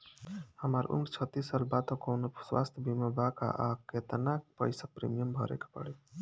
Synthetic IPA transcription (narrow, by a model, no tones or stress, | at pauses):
həmaɾʔṵnɖt͡ʃʰət̪ːisːalbat̪okownoswa̰st̪ʰbʱimabaka̰ʔaket̪ənak̚pə̰jsək̚pɾḭmijəmbʱɔɾḛkḁpə̰ɽe